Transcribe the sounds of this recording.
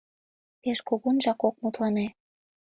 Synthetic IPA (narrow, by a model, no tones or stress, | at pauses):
peʃkoɣunʒɑkok̚mut̪lɑne